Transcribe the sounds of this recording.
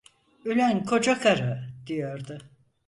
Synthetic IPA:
ylʲænkʰo̞d͡ʒakʰaɾɯd̪̥ijoɾd̪ʊ

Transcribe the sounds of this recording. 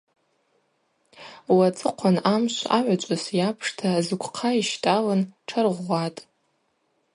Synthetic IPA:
wat͡sʼɨqʷʰanamʃʷa̰ʕʷat͡ʃʷʼasjapʰʂtʰazɨkʷʰʼqʰaiʃtʼalanʈ͡ʂʰarʁʷatʼ

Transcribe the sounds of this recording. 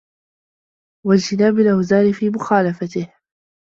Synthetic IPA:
wald͡ʒt̪ɪnaːbɪlʔawzaːɾɪfiːmʊxaːlafat̪ɪh

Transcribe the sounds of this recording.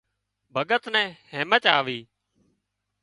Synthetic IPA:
bʱəɠət̪nɛ̃ːheːmət͡ʃaːʋiː

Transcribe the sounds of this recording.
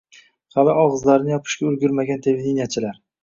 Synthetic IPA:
qɑlɪɒʁɨzlaɾɪnɪjɒpʰɪ̥ʃɡʲaʊɾɡʲʊɾmaɡʲant̪ʰe̞ved̪enijat͡ʃʰɪlaɾ

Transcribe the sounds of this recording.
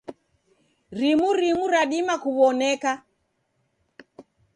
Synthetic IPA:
ɾimuɾimuɾaɗimakuβɔnɛka

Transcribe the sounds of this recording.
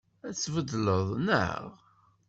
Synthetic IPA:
æt͡sːvəd̪ləðˤnə̰ʁ

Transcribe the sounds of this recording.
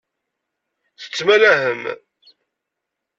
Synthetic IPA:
θə̥t͡sːmælæhəm

